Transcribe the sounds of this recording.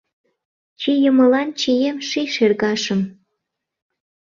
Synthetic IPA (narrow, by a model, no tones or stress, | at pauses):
t͡ɕijəməlɑnt͡ɕijemʃiʃerɣɑʃəm